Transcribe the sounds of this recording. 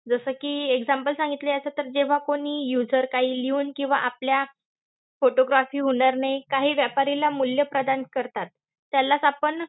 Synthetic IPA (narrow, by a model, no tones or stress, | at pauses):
d͡zəsəːkiːeɡd͡zampəlsãŋɡit̪leəsət̪əɾd͡ʑeʋ̤akoɽiːjud͡zəɾkaɦiːliuːnkĩw̃ʋa̰ʔaplja | foʈoɡɾafiːɦoɳ̃aɾnajkaɦiːʋjapaɾilamuljəpɾəd̪ankəɾt̪at̪ː | jalːasapəɳ